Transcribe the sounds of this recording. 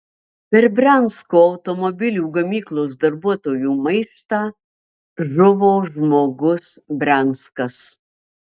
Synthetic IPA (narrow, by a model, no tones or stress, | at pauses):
pʲɛɾbʲɾɑnskoːɐʊt̪ɔmɔbʲɪlʲuːɡɐmʲiːklˠoːsd̪ɐɾbuɔt̪oːjuːmɐɪʃt̪ɑː | ʒʊʋoːʒmoːɡʊsbʲɾɑnskɐs